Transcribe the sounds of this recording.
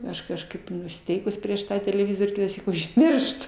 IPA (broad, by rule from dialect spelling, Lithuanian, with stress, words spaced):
ˈɐʃ kɐʃˈkɐɪp nʊsʲɪˈtʲɛɪkʊs ˈpʲrʲiɛʃ ˈtɑː tʲɛlʲɛˈʋʲɪzoːrʲ kʲɪtɑːˈsʲiːk ʊʒʲˈmʲɪrʃtʊ